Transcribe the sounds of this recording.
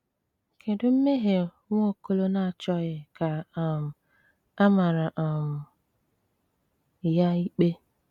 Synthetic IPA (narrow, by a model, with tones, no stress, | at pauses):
kʰe˨dʊ˦m̩˦me˦ɦe˨˦ | ŋʷ˦o˦ko˦lo˦na˦˨t͡ʃɔ˦ɣɪ˨ka˨m̩˨ | a˦ma˨ɾa˨ʔa˨m̩˨ | ja˦i˦k͡pe˦